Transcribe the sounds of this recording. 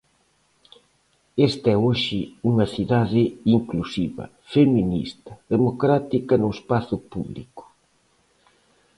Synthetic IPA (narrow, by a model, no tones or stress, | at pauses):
est̪ɛoʃɪuŋɐθiðaðɪiŋklusiβɐ̰ | feminḭst̪ɐ̥ðemokɾat̪ikɐnʊespaθʊpuβlḭkʊ̥